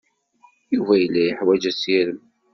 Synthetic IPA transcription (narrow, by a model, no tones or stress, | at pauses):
juvæjəlːæjəħwæd͡ʒæsiɾəm